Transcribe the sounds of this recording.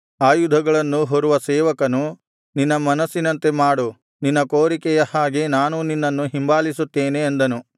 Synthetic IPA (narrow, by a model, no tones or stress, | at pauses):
aːjud̪ʱɐɡɐɭɐnːuɦoɾuʋɐsɛːʋɐkɐnu | ninːɐmɐnɐsːinɐnt̪e̞maːɽu | ninːɐkoːɾikɛjɐhaːɡe̞naːnuninːɐnːuɦimbaːlisut̪ːeːneːnd̪ɐnu